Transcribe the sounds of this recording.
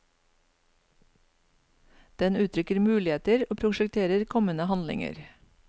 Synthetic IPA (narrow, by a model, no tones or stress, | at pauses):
d̪̥ɛnʉːt̪ʰɾʏkəɾmʉːlɪeːt̪əɾoːpʰɾʊʃɛkt̪ʰeːɾəɾkʰɔmənəhɑnlɪ̰ŋə̰ɾ